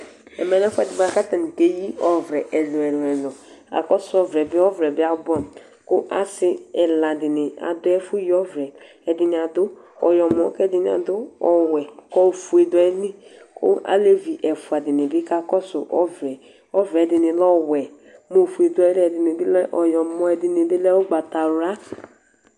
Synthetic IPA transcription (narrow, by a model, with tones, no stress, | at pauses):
ɛ̰˨mɛ˨na˦fʊ˦ɛ˨dɪ˨ba˨ka˦ta˨n˨ke˦ji˦ɔ˦vɾɛ˨ʔɛ˨lʊ˨ɛ˨lʊ˨ɛ˨lɔ˨ | a̰˨kɔ˦sʊ˨˦ɔ˨vɾɛ˨bɪ˦ɔ˦vɾɛ˨bɪ˦a˦bɔ˦˨n˨ | kʊ˦ʔa̰˨sɪ˦ɛ˨la˨dɪ˨nɪ˨a̰˨dʊ˦ɛ˦fʊ˦jɔ˦vɾɛ˨ | ɛ˨dɪ˨nɪ˨a˨dʊ˦ | ɔ̰˨jɔ˨mɔ̃˨˦kɛ˦dɪ˨nɪ˨a̰˨dʊ˦ɔ˨wɛ˨kɔ˦o˨fu˨e˨dʊ˨˦ɛ˨˦li˦kʊ̰˦a̰˨˦le˦vi˨ʔɛ˨fu˨a˨dɪ˨nɪ˨bɪ˦ka˦kɔ˦sʊ˨ʔɔ˦vɾɛ˨ | ɔ˦vɾɛ˨dɪ˨nɪ˨lɔ˦wɛ˨ | mo˦˨fu˨e˨dʊ˨˦ɛ˨˦lɛ˨dɪ˨nɪ˨bi˦lɛ˦ʔɔ˨jɔ˨mɔ˨ɛ˨dɪ˨ni˨bi˦lɛ˦o˦ɡ͡ba˨ta˨ɾa˦